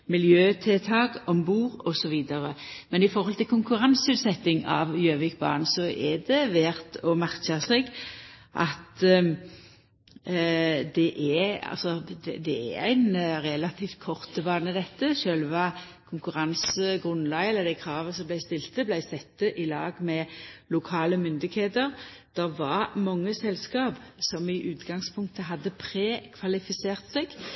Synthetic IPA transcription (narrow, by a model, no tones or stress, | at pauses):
mɪljøːt̪ʰɛt̪ʰɑːɡɔmbuːʁɔsɔʋiːd̪ɑʁəmɛnɪfɔɾhɔlt̪ʰɪlkʰʊŋkʉʁɑnsəʉːt̪sɛt̪ːɪŋɑ̰ʋjøːʋɪk̚bɑ̰ːnsɔʔɛd̪ɛʋæːʁt̪ɔmæʁkɑsɛɡʔɑ̰t̪ | d̪ɛʔɛɑ̰lsɔd̪ɛd̪ɛɛæ̰æ̰ɪnʁɛlɑt̪ʰiːft̪̚kʰɔʁt̪əbɑːnəd̪ɛt̪ːəʃøːlʋɑ | kʰʊŋkʉʁɑnsəɡʁʉnlɑɡɛlːəd̪æɪkʰɾɑːʋəsɔmblæɪst̪ɪlt̪əblæɪsɛt̪ːəʔɪlɑ̰ːɡmɛlʊkʰɑːləmʏnd̪ɪɡheːt̪əʁd̪̥ɛʁʋɑʁmɑŋːəsɛlskɑːbsɔmɪʔʉːt̪ɡɑŋspʰʊŋkt̪əɦɑd̪ːəpʰɾeːkʰʋɑlɪfɪseːʁt̪sɛɡ̥